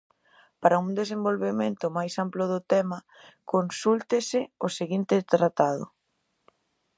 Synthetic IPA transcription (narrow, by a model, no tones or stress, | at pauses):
paɾɐuŋd̪esembolβemẽnt̪ʊmajsamplʊð̞ʊt̪ɛmɐ | konsult̪ɪsɪʊseɣint̪ɪt̪ɾat̪aðʊ̰